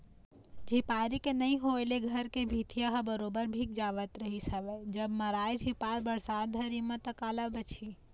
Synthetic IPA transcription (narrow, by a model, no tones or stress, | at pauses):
d͡ʒʱipaɾikenəĩɦoeleɡʱəɾkebʱit̪ijaɦəbəɾobəɾbʱik̚d͡ʒaʋət̪ɾəɦisəʋɛd͡ʒəbməɾajd͡ʒʱipaɾbəɽsat̪̚d̪ʱəɾimət̪əkaləbət͡ʃʰi